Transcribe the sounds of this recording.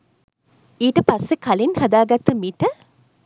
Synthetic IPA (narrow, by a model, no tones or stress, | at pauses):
iːʈəpɐsːekɐlinhɐd̪aːɡɐt̪ːɐmit̪ə